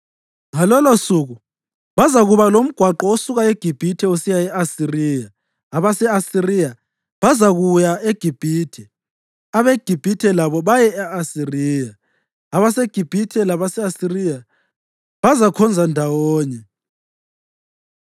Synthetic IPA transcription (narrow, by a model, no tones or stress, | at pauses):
ŋalɔlosuɣu | βazaɣuβalom̩ɡ̥ʱwaǃɔosuɣaeɡ̥ʱib̥ʱitʰɛusijaɛasiriːjaː | βasɛasirija | βazaɣujaeɡ̥ʱib̥ʱiːtʰɛ | aβeɡ̥ʱib̥ʱitʰɛlaβɔβajɛɛasiriːjaː | βaseɡ̥ʱib̥ʱitʰɛlaβasɛasirija | βazakʰɔnd͡zʱandʱawɔːɲɛ